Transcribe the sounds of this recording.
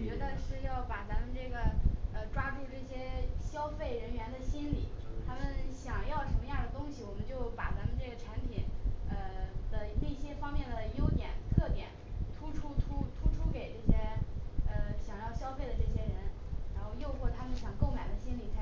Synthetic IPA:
t͡ɕɥɛ˧˥d̪ə˧ʂɻ̩˥˧jɑ˥˩ʊpa˨˩t͡sa˧˥mə˧nʈ͡ʂɤ˥˩ɡə˩ə˧ʈ͡ʂwa˥ʈ͡ʂu˥˧ʈ͡ʂɤ˥˩ɕjɛ˥ɕjɑ˥ʊfe˥˩ɪɻə˧˥nɥɛ˧˥nd̪ə˨ɕi˥nli˨˩˦t̪ʰa˥mə˨nɕjɑ˨˩ŋjɑ˥˩ʊʈ͡ʂʰɤ˧˥ŋə˧ja˥˩d̪ə˩t̪ʊ˥ŋɕi˨˩wɔ˨˩mə˦nt͡ɕjo˥˩ʊpa˨˩t͡sa˧˥mə˧ʈ͡ʂɤ˥˩ɡə˩ʈ͡ʂʰa˧˥npʰi˨˩˦nə˧d̪̥ə˧ne˥˩ɪɕjɛ˥fɑ˥ŋmjɛ˥˩nd̪ə˩jo˥ʊt̪jɛ˨˩˦nt̪ʰɤ˥˩t̪jɛ̰˨˩˦nt̪ʰu˥ʈ͡ʂʰu˥t̪ʰu˥t̪ʰu˥ʈ͡ʂʰu˥ke˨˩ɪʈ͡ʂɤ˥˩ɕjɛ˥ə˧ɕjɑ˨˩ŋjɑ˥˩ʊɕjɑ˥ʊfe˥˩ɪd̪ə˩ʈ͡ʂɤ˥˩ɕ̬jɛ˥ɻə˧˥nɻa˧˥nxo˥˧ʊjo˥˧ʊxwɔ˥˩t̪ʰa˥mə˨˧nɕjɑ˨˩ŋko˥˩ʊma˨˩ɪd̪ə˦ɕi˥nli˨˩t͡sʰ

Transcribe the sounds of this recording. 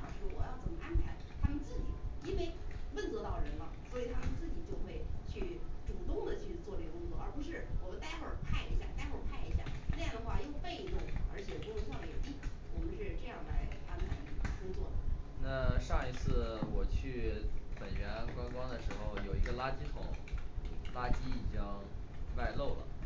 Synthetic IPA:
ɑ˨˩ʂɻ̩˧˥xo˥˧˩wɔ˨˩jɑ˥˩ʊt͡sə˨˩mə˧˦ʔa˥npʰa˧˥ɪt̪ʰa˥mə˨nt͡sɹ̩˥˩t͡ɕi˨˩i˥nwe˥˩ɪwə˥˩nt͡swɔ˧˥t̪ɑ˥˩ʊɻə˧˥nlə˧swɔ˧˥i˨˩t̪ʰa˥mə˨nt͡sɹ̩˥˩t͡ɕi˨˩t͡ɕjo˥˧ʊxwe˥˧ɪt͡ɕʰy˥˩ʈ͡ʂu˨˩t̪ʊ˥˩ŋd̪ə˨˩t͡ɕʰy˥˧t͡swɔ˥˧ʈ͡ʂe˥˩ɡə˩kʊ˥ŋt͡swɔ˥˩˨ə˞˧˥pu˧˥ʂɻ̩˥˩wɔ˨˩ə˧˥t̪a˥˧ɪxwə˞˥˨˩pʰa˥˩ɪḭ˧˥ɕja̰˥˧t̪a˥˧ɪxwpʰa˥˩ɪi˧˥ɕja̰˥˩na˥˧jɑ˥˩ŋd̪ə˩xwa̰˥˧jo˥˧ʊpe˥˧ɪ˧˩t̪ʊ˥˩ŋə̰˞˧˥t͡ɕʰjɛ˨˩pu˧˥jswɑ˥˧ŋlə˧˥˩ə˧˩i˥wɔ˨˩mə˧˦nʂɻ̩˥˧ʈ͡ʂɤ˥˧jɑ˥˩ŋd̪a̰˧˩ɪa̰˥npʰa˧˥ɪn˥˩˧kʊ˥ŋt͡swɔ˥˩d̪ə̰˩na˥˧ʂɑ˥˩ŋi˧˥t͡sʰɹ̩˥˩wɔ˨˩t͡ɕʰy˥˩pə˨˩nɥɛ˧˥nkwɑ˥ŋkwɑ˥ŋd̪ə˨ʂɻ̩˧˥xo˥˩ʊjo˨˩ʊi˧˥ɡə˧la˥t͡ɕi˥t̪ʰʊ˧˥˦ŋ˥ | la˥t͡ɕi˥i˨˩t͡ɕi˥ŋwa˥˧ɪlo˥˩ʊlə̰˩

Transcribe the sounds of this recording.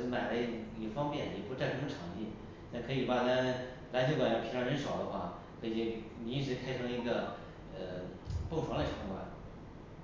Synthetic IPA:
ma˨˩ɪlə˦˥jo˨˩fɑ˥ŋpjɛ˥˩njɛ˨˩pu˧˥t͡sɪʈ͡ʂʰɤ˥˩mə˧ʈ͡ʂʰɑ˧˩˥ŋt̪ḭ˥˩ | t̪a˥˩kʰɤ˧˥i˨˩pa˨˩na˧˥n | la˧˥ɕʰi˥˩kwa˨˩jpʰɑ˥˩ɻə˧˥nʂɑ˨˩ʊd̪ə˦xwa̰˥˩ | kʰɤ˧˥i˧˥˩ni˧˥i˥˩ʂ̬ɻ̩˧˥kʰa˥ɪʈ͡ʂʰɤ˧˥ŋi˧˥ɡə˧ | ə˧˩pɤ˥˩ŋʈ͡ʂʰwla˧˥ɪʈ͡ʂʰɑ˧˥ŋkwa̰˧˥n

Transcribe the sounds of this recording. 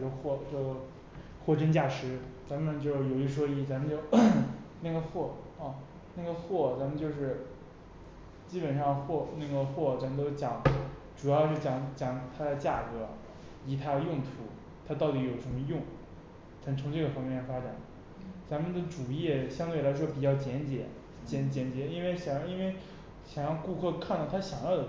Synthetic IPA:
jo˥˧ʊxwɔ˥˧t͡ɕjo˥˩ʊ | xwɔ˥˩ʈ͡ʂə˥nt͡ɕja˥˩ʂɻ̩˧˥t͡sa˧˥mə˨nt͡ɕjo˥˩ʊjo˨˩ʊi˥˩ʂwɔ˥i˥˩t͡sa˧˥mə˨nt͡ɕjo˥˧ʊna˥˩ɡə˩xwɔ˥˩ | ɐ˥˧ | na˥˩ɡə˩xwɔ˥˩t͡sa˧˥nmə˨nt͡ɕjo˥˧ʊʂɻ̩˥˩ | t͡ɕi˥pə˨˩nʂɑ˥˧ŋxwɔ˥˧na˥˩ɡə˩xwɔ˥˩t͡sa˧˥mə˨˧nt̪o˥ʊt͡ɕjɑ˨˩˦ŋʈ͡ʂu˨˩jɑ˥˧ʊt͡ɕjo˥˩ʊt͡ɕjɑ˧˥ŋt͡ɕjɑ˨˩ŋt̪ʰa˥d̪ə˨˧t͡ɕja˥˩kɤ˧˥ | i˧˨˥t̪ʰa˥ə˧jʊ˥˩ŋt̪ʰu˧˥ | t̪ʰa˥t̪ɑ˥˩ʊt̪i˧˥jo˨˩ʊʂə˧˥mə˧jʊ˥˩ŋ | t͡sa˧˥mə˨nt͡sʰʊ˧˥ŋʈ͡ʂɤ˥˩ɡə˩fɑ˥ŋmjɛ˥˩nfa˥ʈ͡ʂa˨˩n | t͡sa˧˥mə˨nd̪ə˩ʈ͡ʂu˨˩i˥˩jɛ˨˩ɕjɑ˥ŋt̪we˥˩ɪla˧˥ɪʂ̬wɔ˥pi˨˩t͡ɕjɑ˥˩ʊt͡ɕjɛ˧˥nt͡ɕjɛ̰˨˩˥ | t͡ɕɛ˧˥nt͡ɕjɛ˧˥nt͡ɕjɛ˧˥i˥nwe˥˩ɪɕjɑ˨˩ŋjɑ˥˧i˥nwe˥˩ɪ | ɕjɑ˨˩ŋjɑ˥˧ŋku˥˧kʰɤ˥˧kʰa˥˧nt̪ɑ˥˩ʊt̪ʰa˥ɕjɑ˨˩ŋjɑ˥˩ʊd̪ə˩

